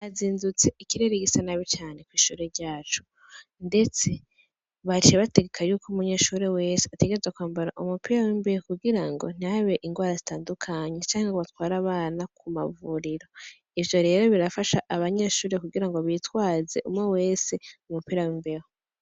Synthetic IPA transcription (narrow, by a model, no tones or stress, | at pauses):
aziːnzut͡se̞ikiɾeɾeɡisanaβit͡ʃaːne̞kwiːʃuːɾe̞ɾɟaːt͡ʃu̥ | nde̞t͡se̞ | βat͡ʃeβateɡekʰajuːkumuɲeʃuːɾe̞we̞seate̞ɡeezwakwaːmbaɾaʔumupiːɾawimbe̞hokuɡiɾaŋɡo̞̰n̥aβe̞ʔiŋɡwaːɾazitaːndukʰaɲe̞t͡ʃaːŋeɡoβatwaːɾaβaːnakʰuma̰vuɾiɾo̞ | ivjo̞ɾe̞ːɾo̞βiɾafaʃaʔaβaɲeʃuːɾe̞kuɡiɾaŋɡoβiːtwaːze̞ʔumŋewe̞ːseumupiːɾawimbeho